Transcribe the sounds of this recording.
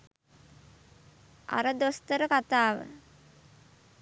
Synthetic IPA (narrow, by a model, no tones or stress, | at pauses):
a̰ɾəd̪ost̪əɾəkat̪aːʋə̰